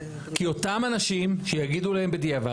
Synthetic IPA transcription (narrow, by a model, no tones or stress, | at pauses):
kio̞tamanaʃimʃejaɡid̪ulahe̞mbed̪ijava